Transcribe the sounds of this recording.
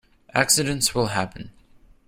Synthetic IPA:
ʔæksɨɾɨ̃ntswɪlˠɦæpʰə̃n̩

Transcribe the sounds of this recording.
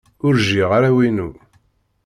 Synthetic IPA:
ʊɾʒiʁaɾawinu

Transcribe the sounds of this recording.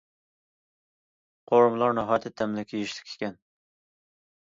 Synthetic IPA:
qʰoɾmlˠɑɾnɪɦɑjt̪ʰːɪt̪ʰːɛmlɪkʲʰijiʃlɪ̥kʲʰe̥kʲɛn

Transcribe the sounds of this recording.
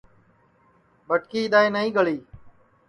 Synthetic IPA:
ɓəʈkiːɪd̪aːeːnəɦĩːɡəɭiː

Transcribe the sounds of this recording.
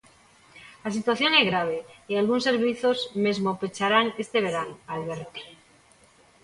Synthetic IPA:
las̬it̪waθjo̞ŋezɣɾaβ̞e̞ialɣunse̞ɾβiθo̞zme̞zmopet͡ʃaɾaŋe̞st̪e̞βe̞ɾanalβeɾt̪e̥

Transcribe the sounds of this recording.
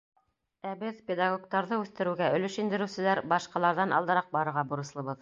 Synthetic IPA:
æbɘðpʲed̪ɑɡok̚t̪ɑɾðɤʉθt̪ɘ̆ɾɘ̆wɡæɵ̆lɵ̆ʃind̪ɘ̆ɾɘ̆wsɘ̆læɾbɑʃqɑlˠɑɾðɑnʔɑ̰lˠd̪ɤ̆ɾɑq̚bɑɾɤ̆ɾʁɑbŏɾɤ̆slˠɤ̆βɤð

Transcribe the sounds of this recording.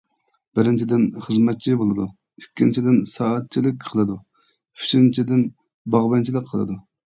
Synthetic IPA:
b̥ɪɾɪnt͡ʃʰid̪ɪnχəzmɛt̪̚t͡ʃʰibolˠɨd̪u | ikʲːint͡ʃʰid̪ɪnsɑːɑt̪̚t͡ʃʰilɪk̚ʲqʰəlˠɨd̪u | pʰy̥ʃint͡ʃʰid̪ɪn | bɑʁbɛnt͡ʃʰilˠɨk̚ʲqʰːəlˠɨ̰d̪u

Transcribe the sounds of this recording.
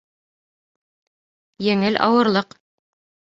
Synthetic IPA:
jɘ̆ŋɘlʔɑ̰wɤ̆ɾlˠɤq

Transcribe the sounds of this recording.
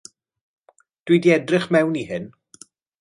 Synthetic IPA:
d̥widiɛdrɪχmɛwnihɪn

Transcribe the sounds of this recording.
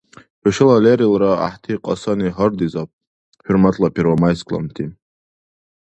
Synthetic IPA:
ɔʃɐlaleɾilɾaa̰ħt̪ʰiqʼa̰saniɦard̪izap̚ʼ | hurmat̪ʼlapʰeɾvamajskʼlˠa̰mt̪ʰi

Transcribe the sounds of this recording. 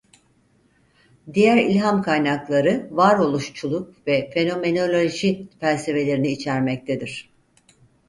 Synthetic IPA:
d̪ijæɾilʲɦamkʰajnaklˠaɾɯvaɾo̞lˠuʃt͡ʃʰulˠuk̚vɛfe̞no̞me̞no̞lʲoʒifælʲse̞ve̞lʲe̞ɾiniːt͡ʃʰæɾmɛc̚t̪ʰed̪iɾ̝̥

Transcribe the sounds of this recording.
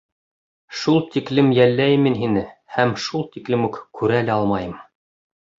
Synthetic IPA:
ʃulˠt̪iklɘmjælːæjɘmːinɦinɘhæmʃulˠt̪iklɘmʉkkʰʉɾælæɑlˠmɑjɤm

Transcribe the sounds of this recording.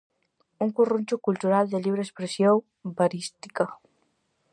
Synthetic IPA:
uŋkurunt͡ʃukult̪uɾald̪eliβɾespɾesjow | baɾist̪i̥ka

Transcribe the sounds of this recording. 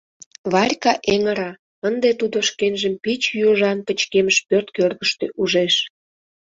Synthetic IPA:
βɑrʲkɑʔeŋəɾɑ | ənd̪et̪ud̪oʃkenʒəmpit͡ɕjoʒɑnpət͡ɕkeməʃpørt̪kørɣəʃt̪ḛʔuʒeʃ

